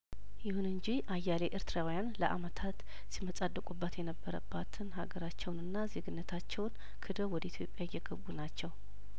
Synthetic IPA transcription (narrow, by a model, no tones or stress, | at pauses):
jɪhunɨɲd͡ʒiʔajːaleʔɪɾt̪ʰɨɾawijanləʔa̰mət̪ʰat̪ | siməsʼad̪ːəkʼubːat̪jɛnəbːəɾə̰bːat̪ʰɨnɦaɡəɾat͡ʃːɛwnɨnːazeɡɨnːət̪ʰat͡ʃːɛwn | kʰɨd̪əwɔd̪əit̪ʰjo̞pʼjajːɛɡəbːunat͡ʃːɛw